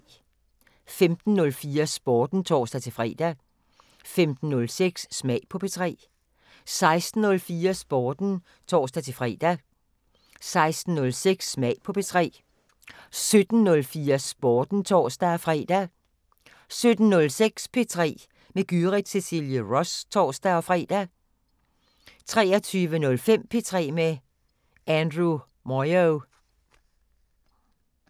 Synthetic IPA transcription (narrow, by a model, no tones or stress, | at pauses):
femd̥n̩ːɔ̽lfiːɐsb̥ɒːd̥n̩t͡sʰɒ̰ːsd̥æt͡sʰe̝fʁɛ̰ːd̥æ | femd̥n̩ːɔ̽lseɡ̥sːmɛɪ̰pʰɒ̽pʰe̝t͡sʰʁɛ̰ː | sɑ̈ɪsd̥n̩ɔ̽lfiːɐsb̥ɒːd̥n̩ | t͡sʰɒ̰ːsd̥æt͡sʰe̝fʁɛ̰ːd̥æ | sɑ̈ɪsd̥n̩ːɔ̽lseɡ̥sːmɛɪpʰɒ̽pʰe̝t͡sʰʁɛ̰ː | sød̥n̩nːɔ̽lfiːɐsb̥ɒːd̥n̩t͡sʰɒ̰ːsd̥æɒfʁɛ̰ːd̥æ | sød̥n̩nɔ̽lseɡ̥spʰe̝t͡sʰʁɛ̰ː | meɡ̥yʁid̥sesiljəʁɔst͡sʰɒːsd̥æɒ̽fʁɛ̰ːd̥æ | t͡sʰʁɛːɐt͡sʰyːʋənɔ̽lfem̰pʰe̝t͡sʰʁɛ̰ːme | ænd̥ʁu | mɒɪo